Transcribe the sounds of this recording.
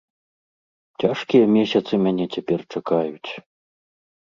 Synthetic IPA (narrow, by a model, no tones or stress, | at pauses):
t͡sʲaʂkʲijɐmʲɛsʲɐt̪sɨmʲanʲɛt͡sʲapʲɛrt͡ʂakajut͡sʲ